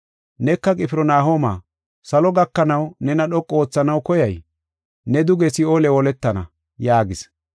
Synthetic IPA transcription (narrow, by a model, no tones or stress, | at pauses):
nɛkːɐkʼɪpɪɾɔnaːɦoːma̰ː | sɐlɔɡɐkːɐnɐwnɛnɐɗɔkʼːo̞ːt͡sːɐnɐwkɔjɐj | nɛd̪ʊɡɛsɪoːlɛwɔlɛt̪ːɐnɐ̰ | jaːɡɪs